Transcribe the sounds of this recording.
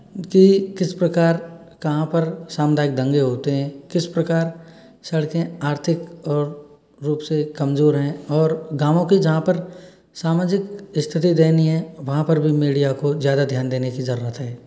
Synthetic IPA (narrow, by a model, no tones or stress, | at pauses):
kikɪspɾɐkaːɾ | kɐɦãpɐɾsaːmd̪ʱaːɪk̚d̪ə̃ŋɡeɦoːt̪eɦɛ̃ːkɪspɾɐkaːɾ | sɐɽkẽaːɾt̪ʰɪkɔːɾː | uːpsekɐmzoːɾɦɛ̃ɔːɾɡaːmõkid͡ʒɐɦãpɐɾ | saːmaːd͡ʒɪkɪst̪ʰɪt̪id̪eːniɦɛ̃ʋɐɦãpɐɾbʱimiːɖijakozjaːd̪ad̪ʱjaːnd̪eːnekizɐɾuːɾət̪ɦɛː